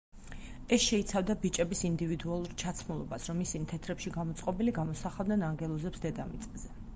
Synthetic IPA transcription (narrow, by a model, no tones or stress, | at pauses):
ɛsʃɛit̪sʰavd̪abit͡ʃʼɛbisind̪ivid̪ualˠuɾt͡ʃʰat̪sʰmulˠɔ̰basɾɔmisimt̪ʰɛt̪ʰɾɛpʃiɡamɔt̪sʼqʼɔbiliɡamɔsaχavˠd̪nɛnaŋɡɛlˠɔzɛpsd̪ɛd̪amit̪sʼɛzɛ